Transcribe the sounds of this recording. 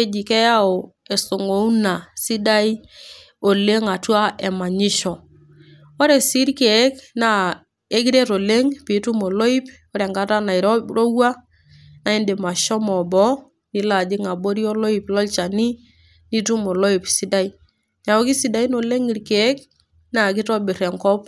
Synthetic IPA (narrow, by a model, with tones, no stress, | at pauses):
e˦d͡ʒi˨kɛ˦ja˦o˨e˨so˨ŋo˨˦u˦na˨si˦da˦i˦ | o˨le˦ŋa˨twa˦ʔɛ˨ma˨ɲɪ˦ʃɔ˨ | o˦ɾɛ˨si˦ɾke˨˦kna˦ | e˦ki˦ɾe˦ɾo˨le˦ŋpi˨˦tu˦mo˨lo˦i˦p | o˦ɾɛ˨ŋɡa˦ta˦na˨i˨ɾɔ˦ɾo˦wa˦ | na˨i˦ndɪ˨ma˨ʃɔ˦mɔ˨bɔ˦ | ni˦la˨d͡ʒɪ˦ŋa˨bo˦ɾi˦o˦lo˦i˨plɔ˦lt͡ʃa˨ni˦ | ni˦tu˦mo˨lo˦i˨psi˦da˦i˦ | ɲa˨o˨˦ki˦si˨˦da˨˦i˦no˨le˦ŋi˨ɾke˨˦k | na˦˨k̬ɪ˦tɔ˦bɪ˨rɛ˨ŋkɔ˦p